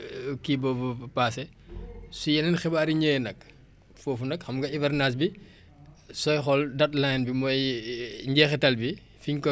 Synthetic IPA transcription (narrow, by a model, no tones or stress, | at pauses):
kibɔbɔpaːsɛ | sujɛnɛnxɛbaːɾiɲɛːnɐk̚ | fɔːfunɐkxɐmɡɐivɐrnaːs̬bi | sɔjxɔldɐt̚lanbimɔjɲɟɛːxɛtɐlbi | fiɲkɔ